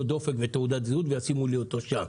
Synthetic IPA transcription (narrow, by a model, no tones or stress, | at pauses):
od̪o̞fe̞kvet̪eud̪at̪zeud̪vejasimuliot̪oʃa